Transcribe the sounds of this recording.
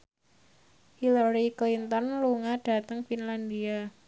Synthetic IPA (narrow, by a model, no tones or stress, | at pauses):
hilaɾiklint̪ɔnluŋaɖ̥a̤t̪əŋfinland̪ia